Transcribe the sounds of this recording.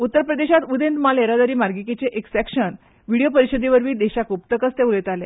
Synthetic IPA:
ut̪ːəɾpɾəd̪eɕat̪ud̪ẽnt̪maleɾad̪aɾiːmaɾɡikit͡seʔeksɛkɕən | ʋiɽijopəɾiɕəd̪iʋəɾʋiːd̪eɕakupt̪əkət͡st̪eulet̪ale

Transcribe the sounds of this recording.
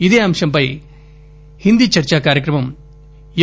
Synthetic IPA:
id̪eːɐmʂɐmpɐj | hind̪it͡ʃɐɾt͡ʃakaːɾjɐkɾɐmɐm | j

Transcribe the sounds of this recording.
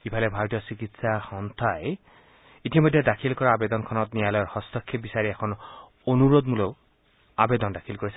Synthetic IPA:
ibʰʱalɛbʱaɹɔtijɔsikitsaxɔnt̪ʰaj | itimɔjdʱːɛdakʰilkɔɹaːbed̪ɔnkʰɔnɔtnijalɔjɔɹxɔstʰɔkʰːibisaɹiɛkʰɔn | onuɹod̪muloʊ | abed̪ɔndakʰilkoɹisɛ

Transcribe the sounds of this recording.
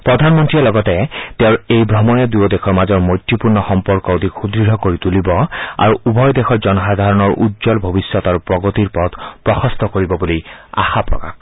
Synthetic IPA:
pɹɔd̪ʱanmɔntɹiɛlɔɡɔtɛteʊɹejbʱɹɔmɔjɛd̪ujɔdɛkʰɔɹmazɔɹmojtːipuɹnɔxɔmpɔɹkɔd̪ʱixudɹiɾɔkoɹitulibɔa̰ɹuubʱɔjdɛxʰɔɹzɔnɔsad̪ʱaɹɔnɔɹʔudzɔlbʱobisɔt̪aɹupɹɔɡot̪iɹpɔt̪pɹɔxɔst̪ʰɔkoɹibɔbulia̰xapɹɔ̰ka̰x

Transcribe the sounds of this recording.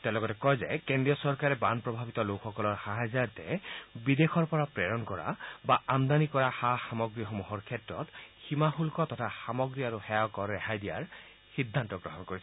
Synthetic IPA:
tɛlɔɡɔtɛkɔjzɛkendijɔsɔɹkaɹɛbanpɹɔbʱabitɔlokxɔkɔlɔɹxaɦajzatɛbidexɔɹpɔɹapɹɛɹɔnkɔɹa̰baamd̪anikɔɹaxaxamɔɡɹixɔmuɦɔɹkʰɛtɹɔ̰tximaxulkɔtɔtʰaxamɔɡɹiaɹuxɛɔkɔɹɛhajdija̰ɹ | xidʱːantɔɡɹɔ̰ɦɔnkoɹis

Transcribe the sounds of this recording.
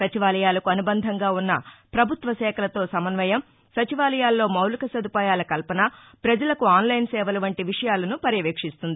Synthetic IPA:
sɐt͡ʃiʋaːlɐjaːlɐkuɐnubɐnd̪ʱɐŋɡaːunːɐpɾɐbʱut̪ʋɐsɛːkʰɐlɐt̪o̞ːsɐmɐnʋɐjɐm | sɐt͡ʃiʋaːlɐjaːlːo̞ːmɐwlɐkɐsɐd̪upaːjaːlɐkɐlpɐnɐ | pɾɐd͡ʒɐlɐkuaːnlɐjnsɛːʋɐluʋɐɳʈiʋiʂɐjaːlɐnupɐɾjɐʋeːkʂist̪und̪ii

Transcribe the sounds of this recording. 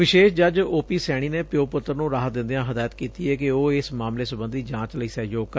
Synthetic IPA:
ʋɪʃeːʃd͡ʒəd͡ʒoːpiːsɛːɽ̃iːneːpɪjoːpʊt̪ːəɾnũːɾaːɦd̪ɪ̃nd̪eãːɦəd̪aːjət̪kiːt̪iːɛːkɪoːɪsmaːmleːsʊbə̃nd̪iːd͡ʒãːt͡ʃləiːsɛːd͡ʒoːk

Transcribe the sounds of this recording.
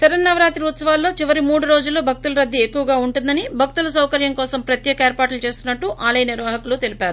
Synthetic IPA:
sɐɾɐnːɐʋɐɾaːt̪iɾut̪sɐʋaːlːo̞ːt͡ʃiʋɐɾimuːɽuɾoːd͡ʒulːo̞ːbʱɐk̚t̪ulɐɾɐd̪ʱːiekːuʋɐɡaːuɳʈund̪ɐnibʱɐk̚t̪ulɐsɐwkɐɾjɐŋkɔːsɐmpɾɐt̪jɛːkɐeːɾpaːʈlut͡ʃe̞ːst̪unːɐʈːuʔaːlɐjɐniɾʋaːɦɐkulut̪e̞lipaːɾu

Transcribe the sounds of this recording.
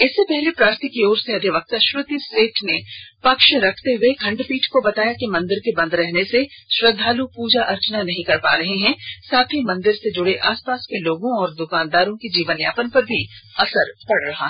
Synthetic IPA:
ɪsːepɛɦlepɾaːɾt̪ʰikioːɾseɐd̪ʱjɪʋɐk̚t̪aʃɾʊt̪isʈeːʈʰnepɐkʃɾɐkʰt̪eɦʊekʰɐ̃ɳɖpiːʈʰkobɐt̪aːjakimɐ̃nd̪ɪɾkebɐ̃nd̪ɾɛɦneseʃɾɐd̪ʱːaːlupuːd͡ʒaʔɐɾt͡ʃənanɐɦĩkɐɾpa̰ːɾɐɦeɦɛ̃saːt̪ʰimɐ̃nd̪ɪɾsed͡ʒʊɽeʔaːspaːskeloːɡõɔːɾd̪ʊkaːnd̪aːɾõkid͡ʒiːʋənja̰ːpənpɐɾbʱiɐsəɾpɐɽɾɐɦa̰ɦ

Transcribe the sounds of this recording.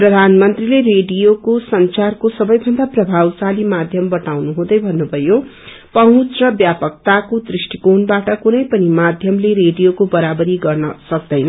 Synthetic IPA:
prʌd̪ʱanmʌnt̪rilereɖijokosʌnt͡sarkosʌbʌjbʱʌnd̪aprʌbʱawsalimad̪ʱjʌmbʌʈawnuɦũd̪ʌjbʱʌnːubʱʌjo | pʌɦũt͡srʌbjapʌk̚t̪akod̪risʈikonbaʈʌkunʌjpʌnimad̪ʱjʌmleɾeɖijokobʌɾabʌɾiɡʌrnʌsʌk̚d̪ʌjnʌ

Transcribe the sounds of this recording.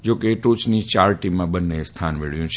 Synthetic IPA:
d͡ʒokeʈut͡ʃnit͡ʃaɾʈimãbənːest̪ʰanʋeɭ̤jũt͡ʃʰ

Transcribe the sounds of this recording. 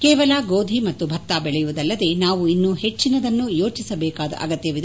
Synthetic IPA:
keːʋɐlaɡoːd̪ʱimɐt̪ːubʱɐt̪ːaːbɛɭɛjuʋud̪ɐlːɐd̪e̞naːʋuinːuhe̞t͡ʃːinɐd̪ɐnːujo̞ːt͡ʃisɐbɛːkaːd̪ɐ̰ʔɐ̰ɡɐt̪jɐʋid̪

